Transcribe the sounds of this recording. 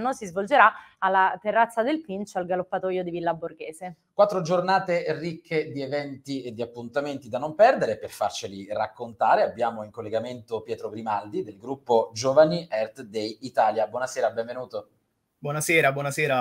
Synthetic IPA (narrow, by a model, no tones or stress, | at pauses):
nːosizvold͡ʒeɾaalːat̪erːat̪sːad̪elpint͡ʃoalɡalopːat̪ɔːjod̪ivilːaborɡeːsekwat̪ːɾod͡ʒornaːt̪erikʰːed̪ievɛnt̪ied̪ːiapːunt̪ament̪id̪anompɛrd̪eɾeperfart͡ʃilirakːont̪aːɾeabːjaːmoiŋkolːeɡament̪opjɛːt̪ɾoɡɾimald̪id̪elɡɾupːod͡ʒoːvaniʔɛrt̪d̪ejit̪aːljabwɔnasɛːɾabɛ̃ɱvenuːt̪o | bwɔnasɛːɾabwɔnasɛːɾa